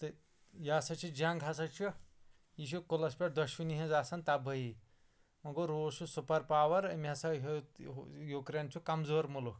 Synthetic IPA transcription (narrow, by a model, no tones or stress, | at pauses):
t̪ɨ | jaːsɐt͡ʃʰid͡ʒaŋɡʱasɐt͡ʃʰu | iʃ̬ukolɐspʲɐʈd̪ɐʃuniɦĩd͡zaːsɐnt̪abʱɐji | mɐɡoɾoːsusupɐɾpaːʋɐɾɐmʲasɐɦ | jukɾeːnt͡ʃʰukɐmzoːɾmuluk